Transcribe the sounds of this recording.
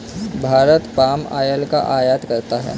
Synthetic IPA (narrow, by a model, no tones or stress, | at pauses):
bʱaɾət̪pama̰jəlka̰ʔajat̪kəɾt̪aɦɛ̰